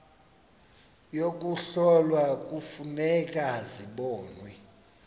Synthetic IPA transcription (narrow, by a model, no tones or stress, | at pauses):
jok̬ʼuɬɔlwak̬ʼufunɛk̬ʼaziɓɔːnwɛ